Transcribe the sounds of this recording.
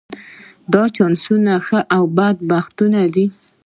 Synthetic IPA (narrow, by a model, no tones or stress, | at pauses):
d̪ɑt͡ʃɑnsunaxəʔawbad̪̚baxt̪unad̪i